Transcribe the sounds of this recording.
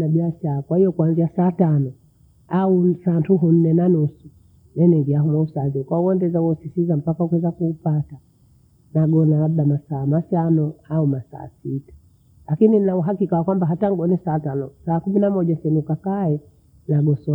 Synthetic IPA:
naɓiaʃaɾakwahijɔkwanziasaːtanɔ | ausaːntuɦun̩nɛnanusu | nɛnɛviaɦumwausaːzɛkwauɛndɛzauɔsisizam̩pakahukuwɛzakuːpata | naɡɔnalaɓ̚ɗamasaːmatanɔaumasa̰ːsitḁ | lakininnauɦakikawakwambaɦataŋɡɔnɛsaːtanɔsaːkuminamɔʄasɛnukakaɛ | naɡɔsɔ

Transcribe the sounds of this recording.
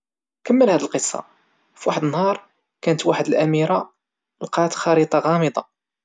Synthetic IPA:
kəmːəlhæd̪əlqəsˤːɑ̰ | fiwaħəd̪ənːhɑɾˤ | kænət̪waħəd̪əlʔæmiɾa | lqɑt̪xɑɾit̪ˤɑɣɑməd̪ˤɑ̰

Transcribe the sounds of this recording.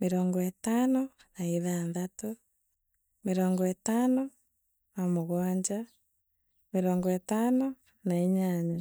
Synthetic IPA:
meɾoːŋɡɔetaːno | naiðandato | meɾoːŋɡɔetaːno | namoɣwaːɲd͡ʒa | meɾoːŋɡɔetaːno | naiɲaːɲa

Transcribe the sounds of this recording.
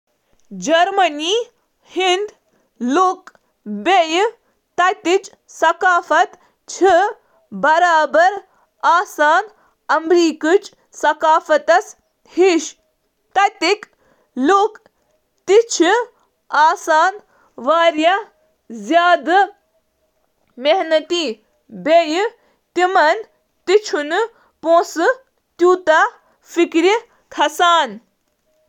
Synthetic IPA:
d͡ʒɐɾmɐniː | hind̪ | luk | bej | t̪ɐt̪it͡ʃ | sɐkaːfɐt̪ | t͡ʃʰi | bɐɾaːbɐɾ | aːsaːn | ɐmɾiːkut͡ʃ | sɐkaːfɐt̪ɐs | hiʃ | t̪ɐt̪ik | loːk | t̪it͡ʃʰi | aːsaːn | ʋaːɾjɐ | zjaːd̪ɨ | meɦnɐt̪iː | bej | t̪imɐn | t̪it͡ʃʰun | põːsɨ | t̪juːt̪a | fikɾi | t̪ʰɐsaːn

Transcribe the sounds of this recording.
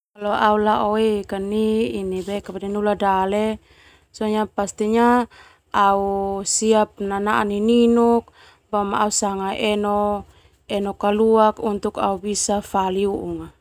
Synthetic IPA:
kalɔaulaʔoekaniinibɛkabadɛnuladale | sɔɲapast̪iɲa | ausiap̚nanaʔanininuk̚ | bamaausaŋaʔɛnɔ | ɛnɔkaluakunt̪uka̰ubisafaliuʔuŋa

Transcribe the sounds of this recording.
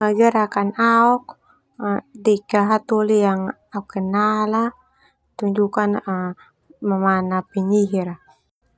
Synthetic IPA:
aɡaɾakanaɔk | dɛkaɦat̪olijaŋ | aɔkːɛnala | t̪uɲd͡ʒukanə | mamanapiɲiɦiɾa

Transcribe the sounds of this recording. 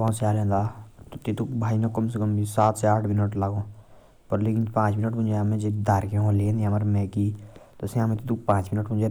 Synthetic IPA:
ãːsjaːlɛ̃ːnd̪at̪ot̪et̪ukbʱaːinakəms̬ekəmisaːt̪seaːʈʰmɪnəʈlaɡõː | pəɾleːkɪnpãːt͡ʃmɪnəʈmʊ̃nd͡ʒeamẽd͡ʒebd̪aːɾkeɦõleẽnd̪iaməɾmɛ̃ːkit̪osẽamẽt̪it̪uk̚pãːt͡ʃmɪnəʈmʊ̃nd͡ʒe

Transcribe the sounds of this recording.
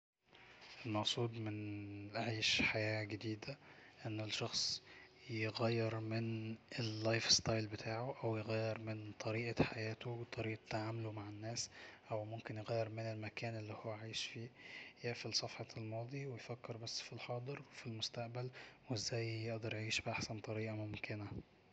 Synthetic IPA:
ʔelmɑʔsˤuːd̪ˤmɪnʔʕiːʃħajæːɡed̪iːd̪æʔenːelʃɑxsˤ | jeɣæjːeɾmɪnelːɑjfst̪ɑjlbet̪ʰaːʕoʔæwjeɣæjːeɾmɪnt̪ˤʰɑɾiːʔɑħajæːt̪owt̪ˤʰɑɾiːʔɑt̪ːaʕaːmlomaʕenːæːsʔæwmomkenjeɣæjːeɾmɪnelmækæːnʔelːihowːæʕaːjeʃfiːjeʔfilsˤɑfħɑlmɑːd̪ˤiwejfækːeɾbæsːfilħɑːd̪ˤɨɾwefilmʊst̪aʔbælwʔezːæːjjeʔd̪ɑɾˤjʕiːʃbʔaħsænt̪ˤɑɾiːʔɑmomkɪnæ

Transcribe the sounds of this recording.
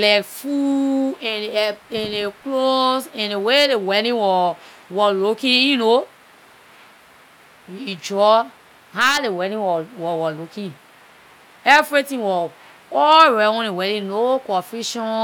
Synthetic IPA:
lakfuɛ̃nɛ̃neklosɛ̃newedewɛɾĩwɔ | wɔlukĩjuno | jid͡ʒɔ | halewɛɾĩwɔwɔwɔlukĩ | ɛvɹitĩŋwɔ | ɔɹɛwɔ̃niwɛɾĩnokɔ̃fiʃɔ̃

